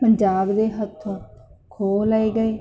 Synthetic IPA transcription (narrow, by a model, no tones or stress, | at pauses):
pəɲd͡ʒaːbd̪eːɦət̪ʰːõːkʰoːləiːɡəeː